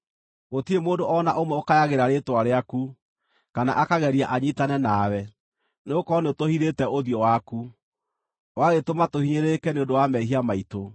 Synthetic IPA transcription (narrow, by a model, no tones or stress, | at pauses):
ɣotiemoːdoʔɔnaʔomwɛokajaɣeɾaɾetwaɾeaku | kana̰ʔakaɣɛɾiaʔaɲitanɛnawɛ | neokɔneotohiɾetɛoðiɔwaku | waɣetomatohiɲeɾekɛneõndowamɛɦiamaito